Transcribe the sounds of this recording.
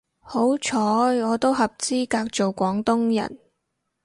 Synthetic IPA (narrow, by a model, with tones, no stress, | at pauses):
ho˨˥wt͡ʃʰɔː˨˥jŋɔː˨˧t̪o˥wɦɐ˨p̚t͡siː˥kaː˧k̚t͡so˨˩wkʷɔː˨˥ŋt̪ʊ˥ŋjɐ̰˨˩n